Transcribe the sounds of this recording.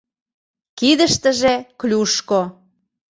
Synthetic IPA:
kid̪əʃt̪əʒeklʲuʃko

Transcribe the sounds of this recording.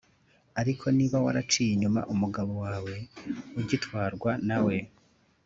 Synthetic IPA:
aɾikʰo̞niːβawa̰ɾat͡ʃiːjiɲuma̰ʔumuɡaβo̞waːwe̞uɟitwaːɾɡwanawe̞

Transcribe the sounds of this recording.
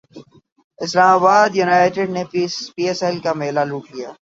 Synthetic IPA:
ɪslaːmaːbaːd̪junaːɪʈɪɖnepiːɛsɛlkameːlaluːkkijaː

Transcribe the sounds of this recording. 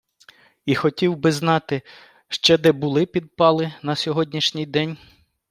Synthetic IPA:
ixɔtʲiwbɪznɑt̪ɪ | ʃt͡ʃɛd̪ɛbʊlˠɪpʲid̪̚pɑlˠɪnɐsʲɔɦɔdʲnʲiʃnʲɪjd̪ɛnʲ

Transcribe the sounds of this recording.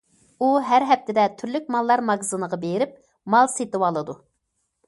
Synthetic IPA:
uɦæɾɦɛp̚t̪ʰɪd̪ɛt̪ʰyɾlykʲmɑlˠːɑɾmɑɡzɨnəʁɑbeɾɪp̚ | mɑlˠset̪ɪwɑlˠɨd̪u

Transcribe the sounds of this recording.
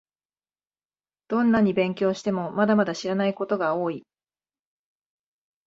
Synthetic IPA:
d̪̥õ̞nːaɲ̟ːibẽ̞ŋkʲo̞ːɕi̥t̪e̞mo̞mad̪amad̪aɕiɾanaiko̞t̪o̞ɡao̞ːi

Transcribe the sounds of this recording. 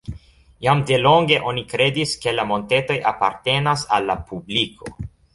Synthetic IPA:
jamde̞lo̞ŋɡe̞ʔo̞nikɾe̞diske̞lamo̞nte̞to̞jʔapa̰ɾte̞nasa̰lːapublikʰo̞

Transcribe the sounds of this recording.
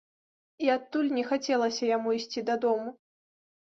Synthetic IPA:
iat̪ːulʲnʲɛxat͡sʲɛlˠɐsʲɐjamuisʲt͡sʲid̪ɐd̪ɔmu

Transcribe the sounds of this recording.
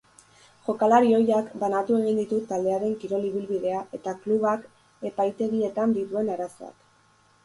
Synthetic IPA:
ʝo̞kalaɾio̞jakbanat̪ue̞ɣ̞ind̪it̪ut̪ald̪e̞aɾe̞ŋkiɾo̞liβ̞ilβiðe̞aʔe̞t̪akluβak | e̞pajt̪e̞ɣie̞t̪and̪it̪ue̞naɾaso̞̰a̰k

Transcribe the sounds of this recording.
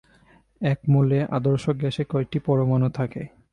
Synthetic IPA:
ɛkmoleʔa̰d̪oɾʃok̚ɡɛʃekɔek̚ʈipɔɾomanot̪ʰakḛ

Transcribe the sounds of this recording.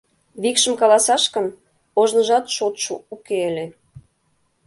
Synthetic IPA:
βikʃə̆mkɑlɑsɑʃkə̆n | oʒnə̆ʒɑt̪ʃot̪ʃṵukelʲe

